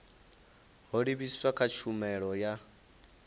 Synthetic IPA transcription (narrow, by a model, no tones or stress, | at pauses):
ɦɔɺiβisiswakʰat͡ʃʰumɛɺɔja